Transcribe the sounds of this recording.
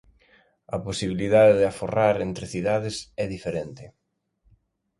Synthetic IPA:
ɐposiβ̞iliðaðeðɪaforaɾent̪ɾɪθiðaðɪsɛðifeɾent̪ɪ

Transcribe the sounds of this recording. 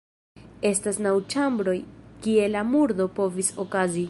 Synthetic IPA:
e̞stasnawt͡ʃambɾo̞jkie̞lamuɾdo̞po̞viso̞kazi

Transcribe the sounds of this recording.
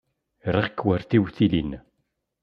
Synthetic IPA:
ɾˤəʁkːwəɾθiwθilin

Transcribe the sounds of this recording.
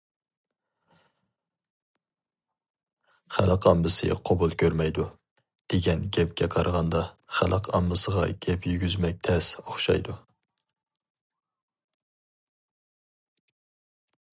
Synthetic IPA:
χælˠəqɑmbɨsɨ̰qʰobulˠkʲʰøɾmɛjd̪u | d̪̥eɡʲɛnɡʲɛp̚ɡʲʰɛqʰɑɾʁɑnd̪ɑ | χæ̰lˠʔəqʰɑmbɨsəʁɑ̰ɡ̥ʲɛpjyɡʲyzmɛk̚ʲt̪ʰɛsoχʃɑ̰jd̪u

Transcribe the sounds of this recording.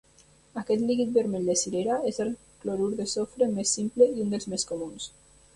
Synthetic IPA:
akɛt̪liɣit̪̚beɾmeld̪esileɾaezel | kloɾuɾðesofɾemesːimpleiund̪elzmeskomuns

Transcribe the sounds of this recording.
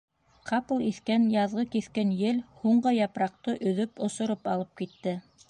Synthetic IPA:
qʰɑplˠiθkænjɑðʁɤkiθkænjɘlhuɴɢɤjɑpɾɑq̚t̪ɤʔɵ̆ðɵpŏsŏɾopɑlˠɤp̚kit̪ːɘ

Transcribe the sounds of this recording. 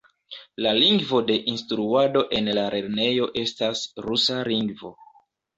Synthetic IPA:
laliŋɡvo̞de̞ʔinstɾuado̞ʔe̞nlaɾʔe̞ɾne̞jo̞ʔe̞stasɾusaliŋɡvo̞

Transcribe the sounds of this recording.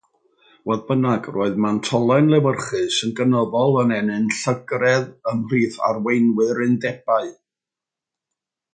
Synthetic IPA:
wɔðbənaɡroːɨðmantʰɔlˠɛnlˠɛwərχɨsənɡənɔðɔlˠənɛnɨnɬəɡrɛðəmriːθa̰rwejnwɨɾɨndɛb̥aɨ

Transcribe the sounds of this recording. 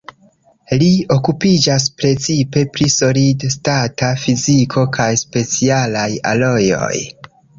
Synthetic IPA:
lio̞kupid͡ʒas̬pɾe̞t͡sipe̞pɾiso̞lidstatafizikʰo̞kajspe̞t͡sialaja̰lo̞jo̞̰j

